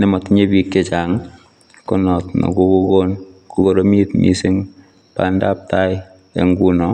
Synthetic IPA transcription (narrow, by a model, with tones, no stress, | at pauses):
nɛ˨mɔ˨tɲe˦bi˦kːe˨t͡ʃa˨ŋ | ko˦nɔ˨tnɔ̰˨ku˦ku˦ko˦nkʰuko˦ɾo˦mi˦tmḭ˦sɪ˦ŋ | pa̰˦nda˦p̚ta˦j | ḛ˨ŋɡu˦nɔ